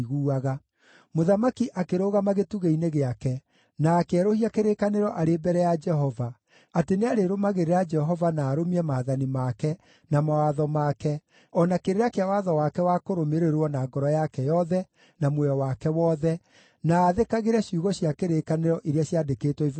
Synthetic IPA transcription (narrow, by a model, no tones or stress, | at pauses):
ɣuːaɣa | moðamakiʔakeɾoːɣamaɣetuɣeineɣeakɛ | naːkɛɾohiakeɾekaneɾɔʔaɾeːbɛɾɛjad͡ʒɛɦɔva | ateneaɾeɾomaɣeɾeɾad͡ʒɛɦɔvanaːɾomiɛmaːðanimakɛ | namawaðɔmakɛ | ɔnakeɾeɾakeawaðɔwakɛwakoɾomeɾeɾwɔnaːɡɔɾɔjakɛjɔðɛ | namwɛjɔwakɛwɔːðɛ | naːðekaɣeɾɛɕjuɣɔɕjakeɾekaneɾɔʔeɾeaɕjadekeːtwɔiv